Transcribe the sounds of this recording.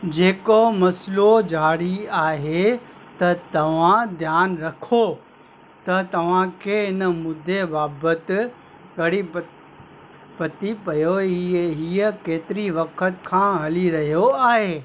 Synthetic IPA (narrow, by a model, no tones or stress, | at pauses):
d͡ʑeːkomɐslod͡ʑaːɽiaːɦet̪ɐt̪ɐʋ̤ãd̪ʱjaːnɾɐkʰo | t̪ɐt̪ɐʋ̤ãkʰeːɪnəmʊd̪ʱːebaːbət̪ | ɡɐɽi | pɐt̪ipɐjoiɦiːəkeːt̪ɪɾiʋɐkʰət̪kʰãːɦɐliɾɐɦijoaːɦeː